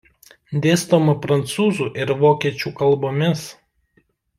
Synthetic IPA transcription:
d̪ʲeːst̪omɐpɾɐnt̪suːzuːʔɪɾʋoːkʲiɛt͡ʃʲuːkɐlˠboːmʲɪs

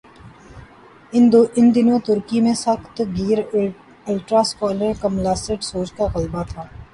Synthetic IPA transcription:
ɪɪnd̪ɪnõt̪ʊɾkimẽsəxt̪ɡiːɾ | ʊlʈɾaːskɔːləɾkəmlaːsəʈsoːt͡ʃkaɣəlbat̪ʰaː

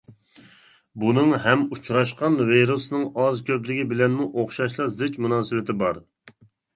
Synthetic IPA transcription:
bunɨŋɦɛmut͡ʃɾɑʃqɑnveɾusnɨŋɑzkʲʰøplɪɡʲibɪlɛnmuʔoχʃɑʃlˠɑzɪt͡ʃmunɑːsɨwɪt̪ɪbɑɾ

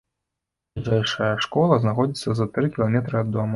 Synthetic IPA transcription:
iʐɛjʂɐjɐʂkɔlˠɐznaxɔd͡zʲit̪sːɐzɐt̪ɾɨkʲilˠamʲɛt̪ɾɨad̪ːɔm

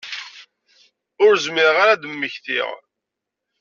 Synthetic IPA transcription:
ʊɾzmɪɾʁaɾad̪əmːəçθḭʁ

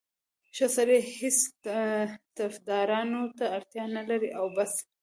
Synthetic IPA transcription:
ʃosaɾehes | t̪afd̪ɑɾɑnot̪aːɾt̪jɑnalaɾiʔawbas

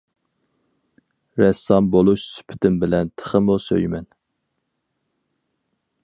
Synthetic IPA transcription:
ɾɛsɑmbolˠuʃsy̥pʰɪ̥t̪ʰɪmbɪlɛnt̪ʰə̥χəmusø̰jmɛn

